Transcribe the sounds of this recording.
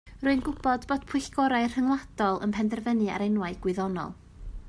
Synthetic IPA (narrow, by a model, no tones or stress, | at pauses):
rʊɨnɡʊb̥ɔdbod̥pʰwɨɬɡ̥ɔɾaɨr̥həŋlˠad̥ɔlˠə̰npʰɛndɛrvənɨa̰ɾenwaɨɡ̥wɨðɔnɔ̰lˠ